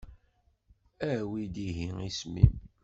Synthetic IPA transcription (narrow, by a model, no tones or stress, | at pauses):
æwid̪iɦiŋismḭm